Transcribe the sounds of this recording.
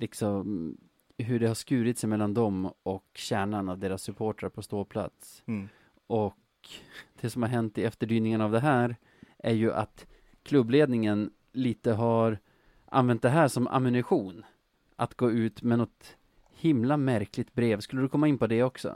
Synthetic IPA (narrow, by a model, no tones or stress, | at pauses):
lɪksɔm | ɦɵɖɛhaʂkʉ̟ːɾɪt̪sɛjmɛlːand̪ɔmɔkɕæːɳanavd̪eːɾasːɵpʰoːʈɾaɾpʰɔst̪oːpʰla̰t̪s | ʔɔk | d̪̥ɛsɔmhaɾɦɛnt̪ːɪɛft̪əɖyːnɪŋənavd̪ɛɦæːɾ | ʔæɾjɵʔa̰t̪ | kʰlɵbːleːd̪nɪŋən | liːt̪əɦaɾ | ʔa̰nvɛnt̪̚d̪ɛɦæːʂɔmʔa̰mɪnɪɧuːn | ʔa̰t̪ɡoːʉ̟ːt̪mɛnɔt̪ | hɪmlamæɾklɪt̪̚bɾeːvskɵlːəd̪ɵkʰɔmːaɪnpʰɔd̪ɛɔksɔ̰